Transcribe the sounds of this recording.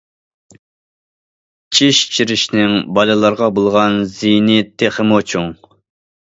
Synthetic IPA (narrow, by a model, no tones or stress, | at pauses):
t͡ʃʰiʃt͡ʃʰiɾɪʃnɪŋbɑlɨlˠɑɾʁɑbolˠʁɑnzijnɪt̪ʰeχəmot͡ʃʰuŋ